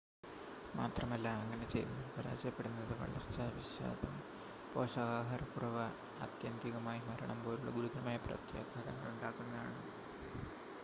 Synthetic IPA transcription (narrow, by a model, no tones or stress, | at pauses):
maːt̪rɐmɐlːɐːŋːɐne̞t͡ɕejunːupɐɾa̰ːd͡ʑjɐpːe̞ɽunːɐðɨʋɐ̰ɭɐ̰rt͡ɕːɐʋiɕa̰ːd̪ɐm | po̞ːsɐɣaːɦɐɾɐkurɐʋɐ | ɐ̰t̪jɐnd̪iɣɐmaːjimɐɾɐɳɐmbo̞ːluɭːɐ̰ɡuɾuðɐnɐmaːjɐprɐ̰t̪jeːɡɐɾɐŋːɐɭuɳɖaːkːunːɐða̰ːɳɨ